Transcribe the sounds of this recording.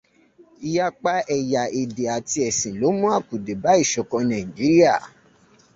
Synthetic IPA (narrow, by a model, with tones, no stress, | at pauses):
i˧ja˦k͡pa˦ɛ˨ja˨ʔi˨de˨a˨ti˧ɛ˨sĩ˨lo˨˦mũ˦a˦˨ku˨de˨ba˨˦i˦˨ʃɔ˨kɔ̃˧nã˨ĩ˨d͡ʒi˨˦ɾi˦a˦˨